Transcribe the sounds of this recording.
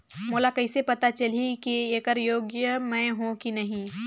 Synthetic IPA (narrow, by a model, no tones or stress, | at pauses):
moːlakɐisepɐt̪at͡ʃɐlikieːkəɾjoːɡjəmɛ̃ːɦõkinɐɦĩ